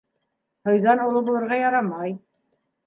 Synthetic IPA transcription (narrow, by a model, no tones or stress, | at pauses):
hŏjðɑnulˠɤbulˠɤ̆ɾʁɑjɑɾɑmɑj